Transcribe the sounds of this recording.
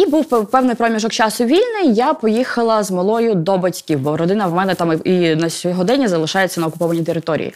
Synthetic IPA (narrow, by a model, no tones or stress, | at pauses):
ibuwppɛwnɪjpɾɔmʲiʒɔkt͡ʃɑsʊʋʲilʲnɪjjapɔjixɐlˠɐzmɐlˠɔjʊd̪ɔbɐtʲkʲiwbɔɾɔd̪ɪnɐwmɛnɛt̪aminɐsʲɔɦɔd̪ɛnʲːɐzɐlˠɪʃɑjet͡sʲːɐnɐɔkʊpɔʋɐnʲit̪eɾɪt̪ɔɾʲḭjḭ